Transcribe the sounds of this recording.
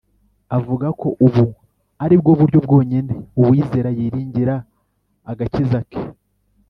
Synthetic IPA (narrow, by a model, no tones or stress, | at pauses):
avuɡakʰo̞ʔuβu | aɾibɡoβuɾɟobɡo̞ːɲene̞uβwiːze̞ːɾajiɾiːɲɟiɾaː | ɡacizake̥